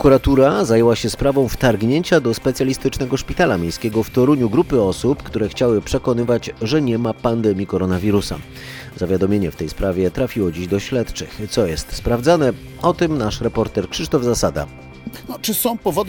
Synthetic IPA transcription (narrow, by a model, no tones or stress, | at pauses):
kuɾat̪uɾazajɛwaɕɛspɾavɔ̃w̃ft̪aɾɡɲeɲt͡ɕad̪ɔspɛt̪sʲjalʲist̪ɘt͡ʂnɛɡɔʂpʲit̪alamʲjejskʲɛɡɔft̪ɔɾuɲuɡɾupɘɔsupkt̪uɾɛxt͡ɕawɘpʂɛkɔnɘvad͡ʑʐɛɲɛmapand̪ɛmʲjikɔɾɔnavʲiɾusa̰ | z̥avʲjad̪ɔmʲjeɲɛft̪ɛjspɾavʲjɛt̪ɾafʲiwɔd͡ʑiʑd̪ɔɕlɛt̪t͡ʂɘt̪sɔjɛst̪spɾavdzanɛ | ɔt̪ɛmnaʂɾɛpɔɾt̪ɛɾkʂɘʂt̪ɔvzasad̪a̰ | nɔt͡ʂɘsɔ̃w̃pɔvɔd̪